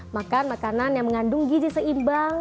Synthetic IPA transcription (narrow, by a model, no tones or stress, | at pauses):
makanmakananjaŋməŋandʊŋɡidisəimbaŋ